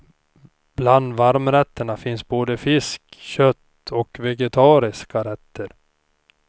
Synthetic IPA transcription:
b̥land̪vaɾmɾɛt̪ːəɳafɪnsboːd̪əfɪskɕœt̪ː | ɔkvɛɡɛt̪ʰɑːɾɪskaɾɛt̪ːəɾ

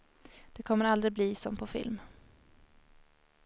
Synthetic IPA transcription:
d̪̥ɛkʰɔmːəɾald̪ɾɪbliːsɔmpʰɔfɪ̰lm

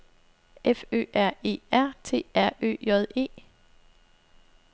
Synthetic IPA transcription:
ʔefø̰ːʔæɐ̰e̝̰ːæɐ̰t͡sʰe̝̰ːæɐ̰ø̰ːjɒðˠe̝̰ː

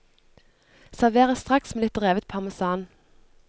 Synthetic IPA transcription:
sæʁʋeːʁəst̪ʁɑksmeːlɪt̪̚d̪ʁeːʋət̪̚pʰɑʁməsɑːn

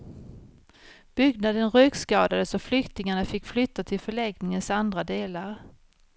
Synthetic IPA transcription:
b̥ʏɡnad̪ənɾœkskɑːd̪ad̪əsɔflʏkt̪ɪŋaɳafɪkːflʏt̪ːat̪ʰɪlfœɭɛɡnɪŋənsand̪ɾad̪eːlaɾ

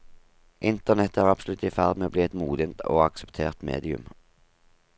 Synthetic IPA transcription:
ʔɪnt̪əʁnɛt̪əæːʁɑbsl̩ʉt̪ifæʁd̪meːoːbliːɛt̪muːd̪ɪənt̪o̰ːɑksɛpt̪ʰeːʁt̪mḛːd̪ɪʉ̰m

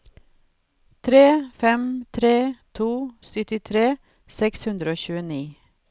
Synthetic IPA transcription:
t̪ʰɾeːfɛmt̪ʰɾeːt̪ʰuːsʏt̪ɪt̪ʰɾeː | sɛkshʉnd̪ɾəoːçʉːəniː

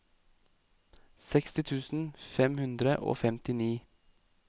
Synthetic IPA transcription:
sɛkst̪ɪt̪ʰʉːsn̩fɛmhʉnd̪ɾəʔo̰ːfɛmt̪ɪniː

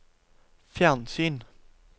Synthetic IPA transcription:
fjansyːn

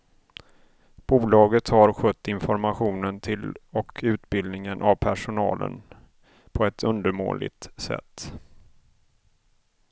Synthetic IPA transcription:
b̥uːlɑːɡət̪haɾɧœt̪ːɪnfɔɾmaɧuːnənt̪ʰɪlɔkʰʉ̟ːt̪bɪld̪nɪŋənʔavpʰæʂʊnɑ̰ːlə̰n | pʰɔɛt̪ʰɵnd̪əɾmo̰ːlɪ̰ɡt̪sɛ̰t̪ː

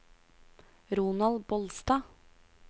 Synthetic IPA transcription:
ɾuːnɑlbɔlst̪ɑː

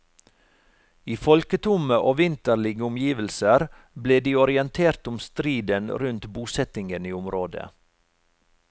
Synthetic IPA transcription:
iːfɔlkət̪ʰʊməʔoːʋɪnt̪əɭɪɡəʊmjiːʋəlsəɾ | bleːd̪iːɔɾɪɛnt̪ʰeːɾt̪ʊmst̪ɾiːd̪ənɾʉnt̪buːsɛt̪ɪŋəniːʊmɾoːd̪ə̰

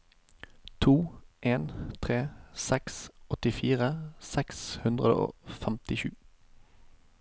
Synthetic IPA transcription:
t̪ʰuːʔeːnt̪ʰʁeːsɛksɔt̪ɪfiːʁəsɛkshʉnd̪ʁəd̪ə̰o̰ːfɛmt̪ɪʃʉː

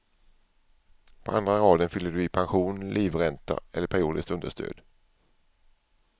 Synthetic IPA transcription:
pʰɔa̰nd̪ɾaɾɑːd̪ənfʏlːəd̪ɵɪpʰanɧuːnlʔiːvɾɛnt̪ʰa̰ɛ̰lːəpʰæɾɪuːd̪ɪst̪ɵnd̪əʂt̪ʰø̰ːd̪

